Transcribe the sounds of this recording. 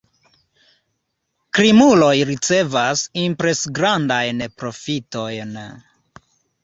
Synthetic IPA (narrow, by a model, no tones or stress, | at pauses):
kɾimulo̞jɾit͡se̞vasimpɾe̞sɡɾandajnpɾo̞fito̞jn